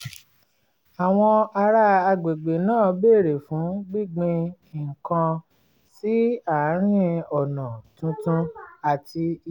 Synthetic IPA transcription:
a˨w̃ɔ̃˧a˧ɾa˦˧a˧ɡ͡be˨ɡ͡be˨nãː˦˨be˦˨ɾe˨fũ˨˦ɡ͡bi˦˨ɡ͡bĩ˧˨ | ŋ̩˨kã˧ | si˦a˦˨˦ɾ̃ĩ˦ɔ˨nã˨tũ˧tũ˦a˨ti˧

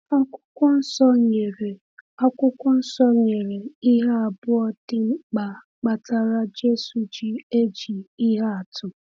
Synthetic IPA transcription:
a˦kʷʊ̥˦kʷɔ˦n̩˦sɔ˦ɲe˨ɾe˨ | a˦kʷʊ˦kʷɔ˦n̩˦sɔ˦ɲe˨ɾe˨i˦ɦa˦a˨bʊ˦ɔ˦dɪ˦ŋ͡m̩˦k͡pa˨ | k͡pa˨ta˦ɾa˦d͡ʒe˦su˨d͡ʒi˦e˦d͡ʒi˨i˦ɦa˦a˨tʊ˨

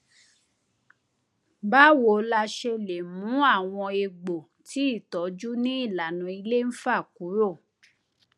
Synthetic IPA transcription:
ba˦wo˨la˧ʃe˧le˨mũ˨˦a˦˨w̃ɔ̃˧e˧ɡ͡bo˨ | ti˨˦i˦˨tɔ˨˦d͡ʒu˦nĩ˦i˦˨la˨nũ˧i˧le˦n̩˦fa˦˨ku˨˦ɾo˦˨

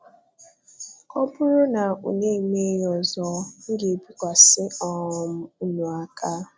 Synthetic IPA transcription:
kɔ˦pʊ˦ɾʊ˦na˨ṵ˨ɲe˦˨me˦jɔ˨zɔ˦ŋ̩˦ɡe˨bi˦kʷa˨sɪ˦ɔ˦˨ɔ˨m̩˦u˦nu˨a˦ka˦

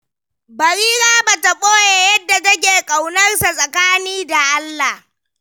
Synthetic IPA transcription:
bɐ˨ɾiː˦ɾaː˦ba˨ta˨kʼoː˦je˨˦jɐ˦dːa˨tɐ˦k̬ʲeː˨kʼa˨wnɐ˦rsa˨sʼɐ˨kaː˦niː˦da˨ʔa˦lːa˨h

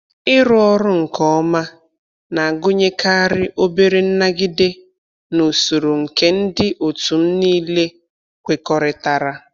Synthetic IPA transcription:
ɪ˦ɾʊ˨ɔ˦ɾʊ˦ŋ̩˨kɔ˦ma˦ | na˨a˨ɡʊ˦ɲe˦ka˦a˦ɾɪ˦ʔo˦be˦ɾe˦n̩˦na˦ɡɪ˦de˦ | no˨so˨ɾo˨ŋ̩˨ke˦n̩˦dɪ˦ʔo˨tu˨m̩˦niː˦le˦ | kʷe˨kɔ˦ɾɪ˨ta˨ɾa˦

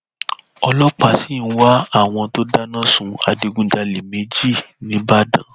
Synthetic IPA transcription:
ɔ˧lɔ˦k͡pa˧˨si˨˦n̩˦wa˦a˦˨w̃ɔ̃˧to˦da˦nã˦˨sũ˧a̰˨˧de˧ɡũ˧˦d͡ʒa˧le˨me˨˦d͡ʒi˦˨nĩ˨˦ba˦dã̰˨

